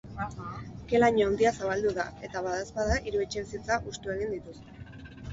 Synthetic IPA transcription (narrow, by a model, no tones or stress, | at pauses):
ke̞laɲoand̪iasaβald̪uðae̞t̪aβaðaspaðaʔiɾue̞t͡ʃe̞βisit͡saʔust̪ue̞ɣ̞ind̪it̪ust̪